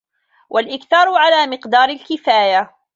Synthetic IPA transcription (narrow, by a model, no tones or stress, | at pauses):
wʔalʔɪkθɑːɾˤʕalaːmɪqd̪ɑːɾˤɪlkɪfaːja